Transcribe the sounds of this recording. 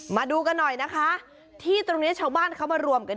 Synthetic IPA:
maː˧duː˧ka˧nːɔ˨˩jna˦˥kʰa˦˥ʔ | t̪ʰiː˥˩t̪ɾo˧ŋni˦˥t͡ɕʰaː˧˥˩wbaː˥˩nkʰa˦˥˩wmaː˧ɾu˧əmka˧n

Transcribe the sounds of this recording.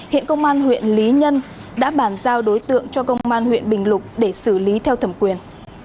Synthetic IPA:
hḭ˧˨ənkə˧wŋ͡mʔaː˧nhwḭ˧˨ənli˨˦ɲə˧n | ɗa̰ː˧˥ɓaː˧˩nzaː˧wɗo˨˦jt̪ɨ̰˧˨əŋt͡ɕɔ˧kə˧wŋ͡mŋ͡mʔaː˧nhwḭ˧˨ənɓï˨˩ŋ̟lʊ˨˩k͡p̚ɗe˧˩sɨ˧˩li˨˦t̪ʰɛ˧wt̪ʰə˧˩mkwi˨˩ən

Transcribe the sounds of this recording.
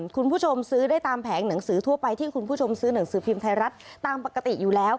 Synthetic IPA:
kʰu˧npʰu˥˩t͡ɕʰo˧msɯː˦˥daː˥˩jt̪aː˧mpʰɛː˩˦ŋna˩˦ŋsɯː˩˦t̪ʰu˥˩ɐpa˧jt̪ʰiː˥˩kʰu˧npʰuː˥˩t͡ɕʰo˧msɯː˦˥na˩˦ŋsɯː˩˦pʰi˧mt̪ʰa˧ɾa˦˥t̪̚ːaː˧mpa˨˩ka˧t̪i˨˩juː˨˩lɛː˦˥w

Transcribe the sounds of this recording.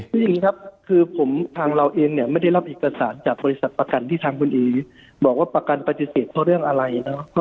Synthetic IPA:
kʰɯː˧˥ja˨˩ŋːiː˦˥kʰa˦˥p̚kʰɯː˧pʰo˩˦mt̪ʰaː˧ŋɾa˧wʔeː˧ŋni˥˩ɐma˥˩jda˥˩jla˦˥p̚ʔeː˨˩ka˧saː˩˦nt͡ɕaː˨˩k̚bɔː˧li˦˥sa˨˩t̪̚pa˧ka˧nt̪iː˥˩t̪ʰaː˧ŋkʰu˧nʔiː˧ | bɔː˨˩k̚waː˥˩pa˧ka˧npa˧t̪i˨˧˩seː˨˩t̪̚ʰːɔ˥˩ɾɯ˥˩əŋʔa˧ɾa˧jnɔ˦˥pʰɔ˦˥

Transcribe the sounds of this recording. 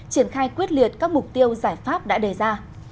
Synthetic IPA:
t͡ɕi˧˩ənxaː˧jkwi˦˥ət̚li˨˩ət̚kaː˦˥k̚mʊ˨˩k͡p̚t̪i˧əwzaː˧˩jfaː˦˥p̚ɗa̰ː˧˥ɗe˨˩zaː˧

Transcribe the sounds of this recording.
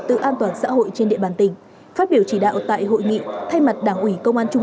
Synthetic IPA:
t̪ɨ̰˧˨ʔaː˧nt̪waː˧˩nsa̰ː˧˥ɦo̰˧˨jt͡ɕe˧nɗḭ˧˨əɓaː˧˩nt̪ï˧˩ŋ̟ | faː˦˥t̚ɓi˧˩əwt͡ɕi˧˩ɗa̰ː˧˨wt̪a̰ː˧˨jɦo̰˧˨jŋḭ˧˨t̪ʰa˧jma˨˩t̚ɗaː˧˩ŋʔwi˧˩kə˧wŋ͡mʔaː˧nt͡ɕʊ˧ŋ͡m

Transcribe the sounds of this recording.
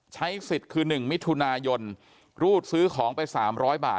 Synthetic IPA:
t͡ɕʰa˦˥jsi˨˩t̪̚kʰɯː˧nɯ˨˩ŋmi˦˥t̪ʰu˧naː˧jo˧n | ɾuː˥˩t̪̚sɯː˦˥kʰɔː˩˦ŋpa˧jsaː˩˦mɾɔː˦˥jba̰ː˨˩

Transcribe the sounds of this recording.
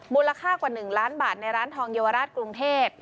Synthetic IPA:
muː˧la˧kʰaː˥˩kwaː˨˩nɯ˨˩ŋlaː˦˥nbaː˨˩t̪̚na˧jɾaː˦˥nt̪ʰɔː˧ŋjeː˧wa˧ɾaː˥˩t̪̚kɾu˧ŋt̪ʰeː˥˩p̚

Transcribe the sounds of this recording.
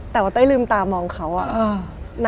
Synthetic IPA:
t̪ɛː˨˩waː˧˥˩a˥˩˨lɯː˧mt̪aː˧mɔː˧ŋkʰa˦˥wʔa˨˩ʔːna˧

